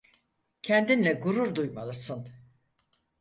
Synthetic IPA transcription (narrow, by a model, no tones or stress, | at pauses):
cʰɛnd̪inlʲɛɡuɾuɾd̪ujmalˠɯsɯn